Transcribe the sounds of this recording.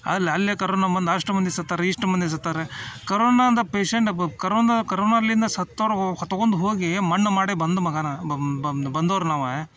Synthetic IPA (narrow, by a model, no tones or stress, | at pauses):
ɐ̰lːɐlːekɐɾoːnabɐnd̪aːʂʈɐmɐnd̪isut̪ːaːɾeiʂʈɐmɐnd̪is̬ut̪ːaːɾekɐɾoːnad̪ɐpeːʂeɳʈkɐɾoːnkɐɾoːnalːind̪ɐsɐt̪ːoɾɐɐt̪ːɐɡond̪uɦoːɡimɐnːɐmaːɽebɐnd̪umɐɡanɐ | bɐnd̪oːɾnaːʋe